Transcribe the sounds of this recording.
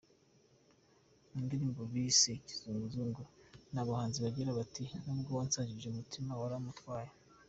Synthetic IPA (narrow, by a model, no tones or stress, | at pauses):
undiɾiːmboβiseci̥z̥uːŋɡuzuːŋɡuɾnaβahaːnziβaɟiɾaβatinubɡowaːnsaːɲɟiʒeumutʰimawaɾamutwaːje